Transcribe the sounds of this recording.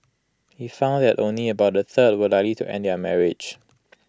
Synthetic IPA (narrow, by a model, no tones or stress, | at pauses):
hifãʊ̃nðɛtʔõnliəbaʊt̚dəθəd̚wəlaklitʰuʔɛ̰̃ndamɛɹɪd͡ʒ